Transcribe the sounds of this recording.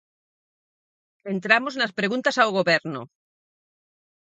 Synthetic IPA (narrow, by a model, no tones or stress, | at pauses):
θent̪ɾamoznaspɾeɣũnt̪asawɣoβeɾno̰